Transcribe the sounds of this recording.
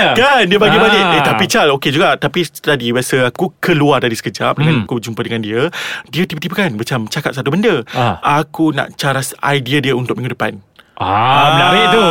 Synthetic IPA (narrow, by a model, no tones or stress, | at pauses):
kandiəbaɡibaɡɪʔet̪apit͡ʃaloked͡ʒuɡaʔt̪apit̪adibasəakukəluart̪adisə̥kəd͡ʒap̚dəŋãnakud͡ʒumpədəŋãndiədiət̪ibət̪ibəkanmat͡ʃamt͡ʃakap̚sat̪ubəndəʔakunã̰ʔt͡ʃaɾasa̰jdiədiəunt̪ʊk̚miŋɡudəpa̰naanaʔbajiʔt̪u